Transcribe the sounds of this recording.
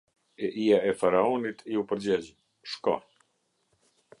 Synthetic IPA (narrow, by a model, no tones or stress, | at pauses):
ɛʔiaɛfaɾaɔnit̪ʰiupəɾd͡ʑɛd͡ʑ | ʃkɔ̰